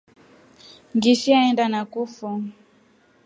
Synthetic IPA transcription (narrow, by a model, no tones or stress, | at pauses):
ŋɡiʃiaɛndanakufɔ